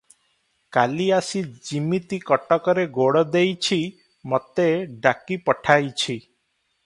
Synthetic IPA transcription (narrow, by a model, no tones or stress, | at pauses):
kaliasid͡ʒimit̪ikɔʈɔkɔɾeɡoɽɔd̪ejt͡ʃʰi | mɔt̪eɖakipɔʈʰajt͡ʃʰi